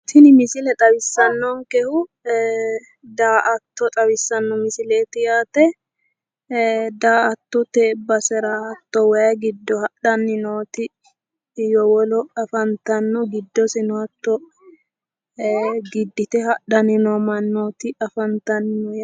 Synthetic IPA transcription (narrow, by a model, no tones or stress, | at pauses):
t̪ɪnɪmɪsɪlɛt̪ʼɐbɪsːɐnːɔŋkɛhʊ | d̪aːʔɐt̪ːɔt̪ʼɐβɪsːɐnːɔmɪsɪleːt̪ɪjaːt̪ɛ | d̪aːɐt̪ːɔt̪eːbːɐsɛɾahɐt̪ːɔwɐjɐɡɪd̪ːɔhɐᶑɐnːɪnoːt̪ɪ | jɔwɔlɔɐfɐnt̪ɐnːɔɡɪd̪ːɔsɛnɔhɐt̪ːɔ | ɡɪd̪ːɪt̪ɛhɐɗɐnɪnɔmɐnːoːt̪ɪɐfɐnt̪ɐnːɔ